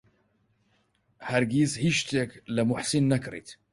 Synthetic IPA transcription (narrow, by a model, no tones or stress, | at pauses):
haɾɡishiʃt̪eklamʊħsinːakɾḭt̪